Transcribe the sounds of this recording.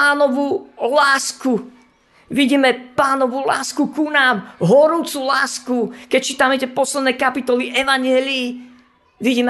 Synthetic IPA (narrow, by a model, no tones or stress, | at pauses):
aːnɔʋulaːsku | ʋiɟiːmɛpaːnɔʋula̰ːskukunaːmɦɔɾuːt͡sulaːskukɛc̚t͡ʃiːt̪amɛicɛpɔslɛd̪nɛjkapit̪ɔliʔɛʋaɲɪɛliː | ʋiɟiːmɛ